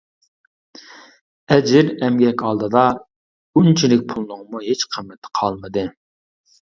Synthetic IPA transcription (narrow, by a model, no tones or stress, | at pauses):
ɛd͡ʒɪɾɛmɡʲɛkʲɑlˠd̪ɨd̪ɑ | unt͡ʃʰilɪk̚ʲpʰulˠnʊŋmuɦet͡ʃqʰəmːɛt̪ʰːə̥qʰɑlˠmɨd̪ɨ